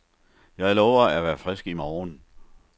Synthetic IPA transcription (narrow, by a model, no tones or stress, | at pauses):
jɑ̈ɪlɔʊɐæʋæːɐfʁɛsɡ̥imɒːn